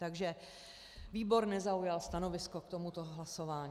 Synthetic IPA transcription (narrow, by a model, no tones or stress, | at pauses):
t̪aɡʒɛ | viːbo̞ɾnɛzaujalst̪ano̞vɪsko̞kt̪omut̪o̞ɦlaso̞vaːɲ